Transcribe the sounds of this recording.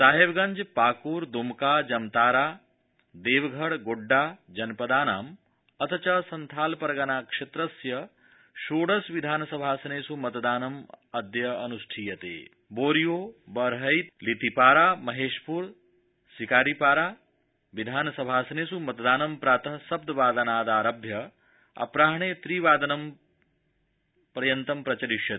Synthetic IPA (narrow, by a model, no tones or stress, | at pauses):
saːɦeʋɡɐɲd͡ʒpaːkuːɾd̪umkaːd͡ʒɐmt̪aːɾaː | d̪eːʋɡʱɐɽɡoɖːaːd͡ʒɐnpɐd̪aːnaːm | ɐt̪ʰɐt͡ʃɐsɐnt̪ʰaːlpɐɾɡanaːkʂet̪ɾɐsjɐ | ʃoːɽɐsʋid̪ʱaːnɐsɐbʱaːsɐneːsumɐt̪d̪aːnɐmɐd̪jɐɐnusʈʰijɐt̪ḛː | boːɾijoːbɐɾɦɐjt̪lit̪ipaːɾaːmɐɦeːʃpuɾ | sikaːɾipaːɾaː | ʋid̪ʱaːnɐsɐbʱaːsɐneːsumɐt̪d̪aːnɐmpɾaːt̪ɐɦsɐb̚d̪ɐʋaːd̪ɐnaːd̪aːɾɐbʱjɐ | ɐ̰pɾaːɦɳ̃eːt̪ɾiːʋaːd̪ɐnɐm | pɾɐjɐnt̪ɐmpɾɐt͡ʃɐɾiʃjɐ